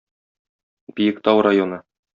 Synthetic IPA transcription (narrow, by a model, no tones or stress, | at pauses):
bijɘ̆kt̪ɑwɾajonɤ